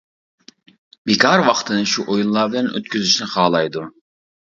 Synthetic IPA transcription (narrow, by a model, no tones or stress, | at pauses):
bekʰɑɾwɑχt̪ʰɨnɨʃuʔojunlˠɑɾbɪlɛnʔø̰t̪kʲyzyʃnɪχɑːlˠɑjd̪u